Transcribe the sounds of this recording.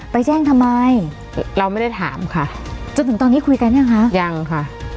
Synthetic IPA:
pa˧jt͡ɕɛː˥˩ŋt̪ʰa˧mːa˧j | ɾa˧wma˥˩jda˥˩jt̪ʰaː˩˦mkʰa˥˩ | t͡ɕo˧nt̪ʰɯ˩˦t̪ɔː˧nːiː˦˥˩kʰu˧jka˧nː˥˩˨kʰa˦˥ja˧ŋkʰa˥˩

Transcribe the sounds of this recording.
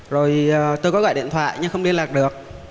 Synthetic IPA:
zo˨˩jt̪oː˧jkɔ˨˦ɣɔ̰˧˨jɗḭ˧˨nt̪ʰwa̰ː˧˨jɲɨ˧ŋxə˧wŋ͡mli˧ənlaː˨˩k̚ɗɨ˨˩ək̚

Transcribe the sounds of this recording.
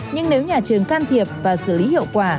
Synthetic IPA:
ɲɨ˧ŋne˨˦wɲaː˨˩t͡ɕɨ˨˩əŋkaː˧nt̪ʰi˨˩əp̚vaː˨˩sɨ˧˩li˨˦hḭ˧˨əwkwaː˧˩

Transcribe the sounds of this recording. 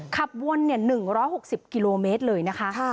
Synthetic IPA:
kʰa˨˩p̚wo˧nːi˥˩ɐnɯ˨˩ŋɾɔː˦˥jho˨˩k̚si˨˩p̚ki˧loː˧meː˦˥t̪̚lɤː˧jna˦˥kʰa˦˥ʔ

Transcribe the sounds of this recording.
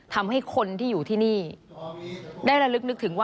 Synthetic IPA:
t̪ʰa˧mɦa˥˩jkʰo˧nt̪ʰiː˥˩juː˨˩t̪ʰiː˥˩niː˥˩ | daː˥˩jɾa˧lɯ˦˥k̚nɯ˦k̚t̪ʰɯ˩˦ŋwa˥

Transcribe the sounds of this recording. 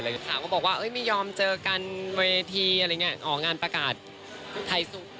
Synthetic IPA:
ɾŋi˦˥˩kʰa˥˩kɔː˥˩bɔː˨˩k̚waː˥˩ʔɤː˦˥˩jmiː˧˥˩jɔː˧mt͡ɕɤː˧ka˧nweː˧t̪ʰiː˧ʔɾa˧˨ŋi˦˥ɐ˩ʔɔː˨˩ŋaː˧npɾa˧kaː˨˩t̪̚ | t̪ʰːa˧jsu˨˩

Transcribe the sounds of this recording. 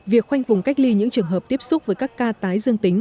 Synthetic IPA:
vi˨˩ək̚xwa˧jŋ̟fʊ˨˩ŋ͡mka˦˥jk̚li˧ɲɨ̰˧˥ŋt͡ɕɨ˨˩əŋɦəː˨˩p̚t̪i˦˥əp̚sʊ˦˥k͡p̚vəː˨˦jkaː˦˥kːaː˧t̪aː˨˦jzɨ˧əŋt̪ï˨˦ŋ̟

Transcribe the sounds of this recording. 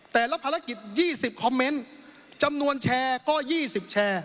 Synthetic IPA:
t̪ɛː˨˩la˦˥˩pʰa˧ɾa˦˥ki˨˩t̪̚jiː˥˩si˨˩p̚kʰɔ˧mːe˦˥n | t͡ɕa˧mnu˧ənt͡ɕʰɛː˧kɔː˥˩jiː˥˩si˨˩p̚t͡ɕʰɛː˧

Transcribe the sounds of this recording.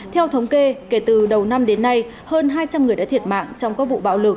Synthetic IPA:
t̪ʰɛ˧wt̪ʰə˨˦wŋ͡mke˧ke˧˩t̪ɨ˨˩ɗə˨˩wna˧mɗe˨˦nːa˧j | həː˧nɦaː˧jt͡ɕa˧mŋɨ˨˩əja̰ː˧˥t̪ʰi˨˩ət̚ma̰ː˧˨ŋt͡ɕɔ˧wŋ͡mkaː˦˥k̚vṵ˧˨ɓa̰ː˧˥wlɨ˨˩k̚

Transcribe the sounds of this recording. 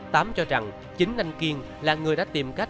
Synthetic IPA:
t̪aː˨˦mt͡ɕɔ˧za˨˩ŋ | t͡ɕï˨˦ŋ̟na˧jŋki˧əŋ | laː˨˩ŋɨ˨˩əjɗa̰ː˧˥t̪i˨˩mka˦˥k̚

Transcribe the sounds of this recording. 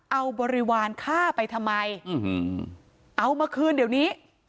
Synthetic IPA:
ʔa˧wbɔː˧ɾi˦˧˥waː˧nkʰaː˥˩pa˧jt̪ʰa˧mːa˧j | ʔa˧wmaː˧kʰɯː˧ndi˨˩˦wniː˦˥

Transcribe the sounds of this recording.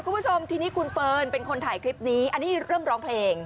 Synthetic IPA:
kʰu˧mbʰu˥˩o˧mt̪ʰiː˧niː˦˥kʰu˧nfɤː˧npe˧nkʰo˧nt̪ʰaː˨˩˦jkʰɾi˦˥p̚niː˦˥ʔa˧nːiː˦˥˧ɾɤː˥˩mɾɔː˦˥ŋpʰleː˧ŋ

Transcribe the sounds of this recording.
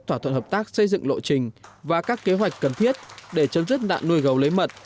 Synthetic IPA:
t̪ʰwaː˧˩t̪ʰə˧˨nhəː˨˩p̚t̪aː˦˥k̚sə˧jzɨ̰˧˨ŋlo̰˧˨t͡ɕï˨˩ŋ̟vaː˨˩kaː˦˥kːe˨˦ɦwa˨˩jk̟kə˨˩nt̪ʰi˦˥ət̚ɗe˧˩t͡ɕə˨˦mzɨ˦˥k̚ɗa̰ː˧˨nːu˧əjɣə˨˩wlə˨˦jmə˨˩t̚

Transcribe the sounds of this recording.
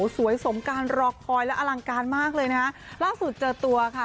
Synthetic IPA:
su˨˩˦əjso˩˦mkaː˧nɾɔː˧k̚pʰɔː˧jlɛ˦˥ʔa˧la˧ŋkaː˧nmaː˥˩k̚lɤː˧jna˦˥kʰa˦˥laː˥˩su˨˩t̪̚t͡ɕɤː˧˩t̪u˧ɐkʰa˥˩

